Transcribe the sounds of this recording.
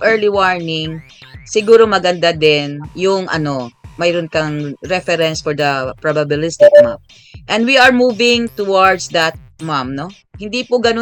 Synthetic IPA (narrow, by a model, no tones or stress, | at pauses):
ʔɛɹliwɔɹnɪŋ | sɪɡuːɾomɐɡɐnd̪ad̪ɪnjʊŋʔɐ̰no̞mɐjɾʊnkɐŋɾɛfɛɾɛnsfɔɹd̪ɐpɹabɐbɪlɪst̪ɪkma̰m | ʔɛ̃nd̪wiɐɹmuːvɪŋt̪ʊwaɹd̪sd̪ɐt̪̚mamno | hɪnd̪ipʊɡɐno